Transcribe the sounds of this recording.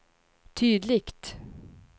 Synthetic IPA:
t̪ʰyːd̪lɪkt̪

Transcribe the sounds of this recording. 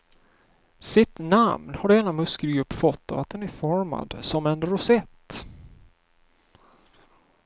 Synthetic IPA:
sɪt̪namnhaɖeːnamɵskəɾɡɵpːfɔt̪ːa̰vat̪̚d̪ɛnæɾfɔɾma̰d̪sɔmɛnɾʊsɛt̪ː

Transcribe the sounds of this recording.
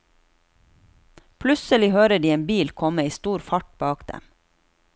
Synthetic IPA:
pʰlʉsəlɪhøːɾəɖiːeːmbiːlkʰɔməiːst̪uːɾfɑʈ̚bɑːkd̪̥ɛ̰m

